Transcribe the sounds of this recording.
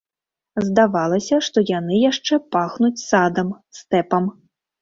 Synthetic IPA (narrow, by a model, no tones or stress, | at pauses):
zd̪avalˠɐsʲɐʂt̪ɔjan̪ɨjaʂt͡ʂɛpaxnut͡sʲsad̪ɐmst̪ɛpɐm